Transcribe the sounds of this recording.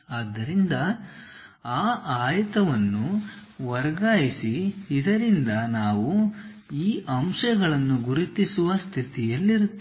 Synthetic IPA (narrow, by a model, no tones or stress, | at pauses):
aːd̪ːɐɾind̪ɐ | aːʔaːjɐt̪ɐʋɐnːuʋɐɾɐɡaːjisiːd̪ɐɾind̪ɐnaːʋu | iːʔɐmʃɐɡɐɭɐnːuɡuɾit̪isuʋɐst̪ʰit̪ijɐlːiɾut̪ː